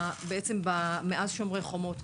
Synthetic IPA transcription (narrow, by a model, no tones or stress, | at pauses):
beʔet͡sembameʔazʃomʁeχo̞mo̞t